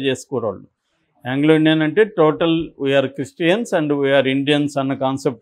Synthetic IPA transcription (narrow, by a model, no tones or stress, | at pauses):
t͡ʃeːsu̥kɔːɾa̰ːɭu | aŋɡloiɳɖijɐnɐɳʈeːʈoːʈɐlʋujaːɾkɾisʈijɐnsɐɳɖʋujaːɾiɳɖijɐnsɐnːɐkaːnsep̚ʈ